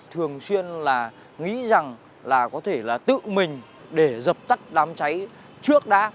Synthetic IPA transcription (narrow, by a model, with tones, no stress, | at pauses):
t̪ʰɨ˨˩əŋswi˧ənlaː˨˩ | ŋḭ˧˥za˨˩ŋ | laː˨˩kɔ˨˦t̪ʰe˧˩laː˨˩t̪ɨ̰˧˨mï˨˩ŋ̟ | ɗe˧˩zə˨˩p̚t̪a˦˥k̚ɗaː˨˦mt͡ɕa˨˦j | t͡ɕɨ˦˥ək̚ɗa̰ː˨˦